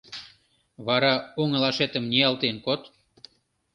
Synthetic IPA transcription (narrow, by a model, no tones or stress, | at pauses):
βɑɾɑuŋə̆lɑʃet̪əmniɑlt̪enkot̪